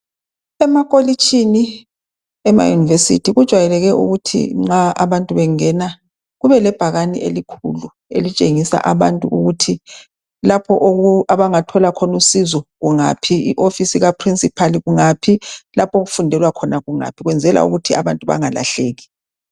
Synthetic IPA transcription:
ɛmakʼolit͡ʃʰʼini | ɛma̰junivesḭtʰiɣud̥ʒ̥ʱwajɛlɛɣɛʔṵɣutʰḭŋ͡ǁaʔaβantʼuβɛŋɛna | ɣuβɛlɛb̥ʱaɣaniʔḛlikʰṵlu | ḛlit͡ʃʼeŋisa̰ʔaβantʼuʔuɣutʰi | lapʰɔʔoɣuaβaŋatʰɔlakʰɔnusizɔɣuŋa̰pʰiiʔofisiɣapʰrinsʼipʰaliɣuŋapʰilapʰoɣufundʱɛlwakʰɔnaɣuŋa̰pʰiɣwɛnd͡zʱɛla̰ṵɣutʰia̰βantʼuβa̰ŋala̰ɬeːɣi̥

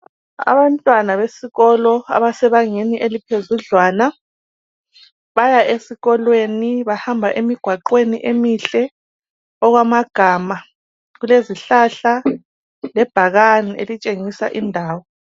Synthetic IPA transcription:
a̰βantʼwanaβesiɣɔlɔa̰βasɛβaŋeniʔelipʰezuɮwaːna | βajaʔesiɣɔlweniβahambʱaʔemiɡ̥ʱwaǃweniʔemiɬɛ | ɔɣwamaɡ̥ʱaːma | ɣuleziɬaɬa | lɛb̥ʱaɣaniʔḛlit͡ʃʼeŋisa̰ʔindʱaːwɔ

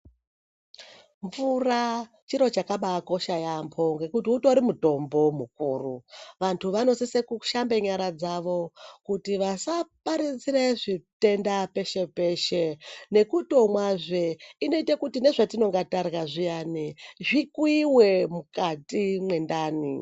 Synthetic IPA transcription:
ɱvura | t͡ʃiɾo̞t͡ʃakaɓako̞ʃajampʰo̞ŋɡe̞kutiutoɾimuto̞mbo̞mukuːruʋantʰuʋano̞sisekuʃambe̞ɲaɾad͡zaʋo̞kutiʋasapaɾit͡sireʐite̞ndape̞ʃe̞pe̞ʃene̞kuto̞mwaʐeino̞itakutine̞ʐatino̞ŋɡatarɣaʐijaniʐikwiwe̞mukatimwe̞ndaːnḭ

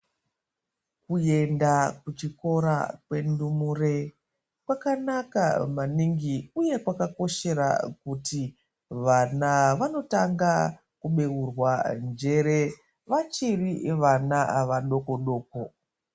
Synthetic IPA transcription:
kuje̞ndakut͡ʃiko̞ɾa̰kwe̞ndumure | kwakanaka̰maniŋɡiuje̞kwakako̞ʃe̞ɾa̰kuti | ʋanaʋano̞taŋɡa | kuɓe̞urwand͡ʒe̞ɾe̞ | ʋat͡ʃiriʋanaʋaɗo̞ko̞ɗo̞ːko

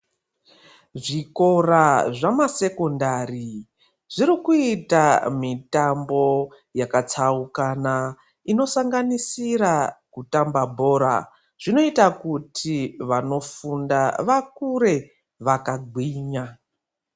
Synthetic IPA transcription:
ʐiko̞raʐamase̞ko̞ndari | ʐ̥iɾikuitamitambo̞ | jakat͡saukana | ino̞saŋɡanisiɾakutambabʱo̞ɾa̰ | ʐ̥ino̞itakutʰiʋano̞fundaʋakuɾe̞ | ʋakaɡʱwiːɲa

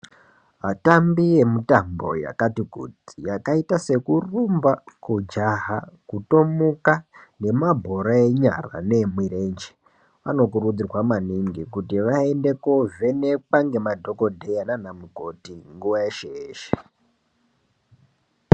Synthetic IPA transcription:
ɦatambije̞mutambo̞̰ja̰katikṵd͡zijakaitase̞kurumbakud͡ʒaɦakuto̞mukane̞mabʱo̞ɾae̞ɲa̰ra̰ne̞mwire̞nd͡ʒe | ʋa̰no̞kurud͡zirwamaniŋɡikutiʋae̞nde̞kove̞ne̞k͡paŋɡe̞madʱo̞ko̞dʱejananamuɡʱo̞tiŋɡuʋajeʃeeːʃe̥

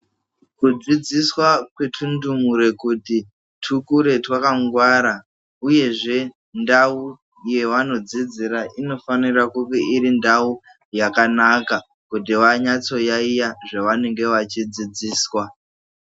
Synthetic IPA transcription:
kud͡zid͡ziswakwetʰundumuɾe̞kuti | tʰukuɾe̞twakaŋɡwaɾa | uje̞ʐe̞ | ndau | je̞wano̞d͡zid͡ziɾaʔino̞fanirakukeiɾindau | jakanaka | kut̬iʋaɲat͡so̞jaijaʐaʋane̞ŋɡe̞ʋat͡ʃid͡zid͡ziːswa

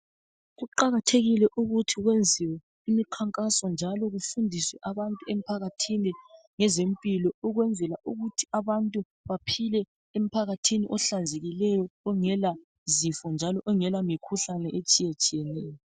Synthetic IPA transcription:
ɣuǃaɣatʰeɣilɛʔuɣutʰiɣwend͡zʱiwɛ | imikʰaŋkʼasɔnd͡ʒʱalɔɣufundʱiswɛʔaβantʼuem̩pʰaɣatʰini | ŋɛzempʼilɔuɣwɛnd͡zʱɛlaʔuɣutʰi̥aβantʼu | βapʰilɛ | em̩pʰaɣatʰiniʔɔɬand͡zʱeɣilɛjɔːŋɛla | zifɔnd͡ʒʱalɔʔɔŋɛlamikʰuɬanɛʔet͡ʃʼijet͡ʃʼijɛnɛːjɔ

